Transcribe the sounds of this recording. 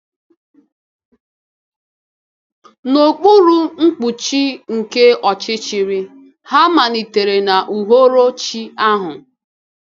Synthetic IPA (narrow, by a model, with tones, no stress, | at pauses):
no˨k͡pu˦ɾu˦ŋ̩˦k͡pu˨t͡ʃi˦ŋ̩˨ke˦ɔ˨t͡ʃɪ˦t͡ʃi˨ɾi˦ | ha˦ma˨ni˨te˨ɾe˨na˨ʔu˨ɦo˦ɾo˦t͡ʃi˦a˦ɦʊ˨